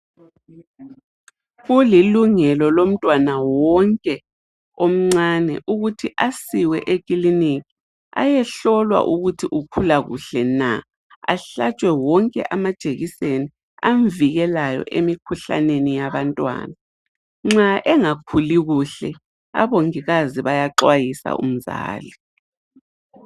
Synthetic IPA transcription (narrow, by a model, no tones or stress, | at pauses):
ɣuliluŋɛlɔlom̩tʼwanawɔŋkʼɛ | om̩ŋ͡ǀanɛʔuɣutʰiʔasiwɛ̰ʔekʼilinikʰi | a̰jɛɬɔlwa̰ʔuɣutʰiʔukʰulaɣṵɬɛna | a̰ɬat͡ʃʼwɛwɔŋkʼɛ̰ʔamad̥ʒ̥ʱeɣiseni | aɱviɣɛlajɔ̰ʔemikʰuɬa̰nenijaβantʼwa̰ːna | ŋ͡ǁaʔɛŋakʰuliɣuɬɛ | a̰βoŋiɣaziβajaǁwajisa̰ʔṵm̩za̰ːli